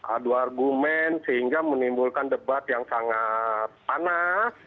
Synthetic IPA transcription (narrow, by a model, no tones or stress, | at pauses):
ʔa̰duarɡumɛnsəɦiŋɡamənimbulkandəbat̪jaŋsaŋat̪̚panas